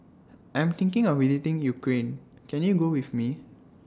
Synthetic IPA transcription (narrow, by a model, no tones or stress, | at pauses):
ʔãj̃mt̪ĩŋkɪ̃ŋɔfwizitĩŋjukɹẽn | kɛ̃njuɡowifmi